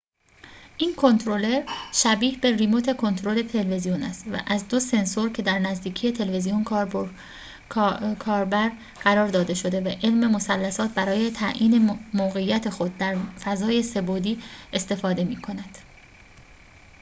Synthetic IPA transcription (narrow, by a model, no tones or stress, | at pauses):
ʔiːnkʰo̞nt̪ʰɾo̞le̞ɾʃæbiːhbe̞rimot̪ʰe̞kʰo̞nt̪ʰɾole̞t̪ʰe̞lve̞zijonæ̰st̪væ̰ʔæzd̪o̞se̞nsoɾcʰe̞d̪æɾnæzd̪iːcʰije̞t̪ʰe̞leve̞zijonkʰ | kʰɒːɾbæɾ | ɢ̥æɾɒːɾd̪ɒːd̪e̞ʃo̞d̪e̞væʔelme̞mo̞sælːæsɒːt̪̚bæɾɒːje̞t̪ʰæʔʔiːne̞moːɣe̞jːæt̪ʰe̞xo̞d̪̚ːæɾfæzɒːje̞se̞bod̪iːe̞st̪e̞fɒːd̪e̞miːkʰo̞næd̪̥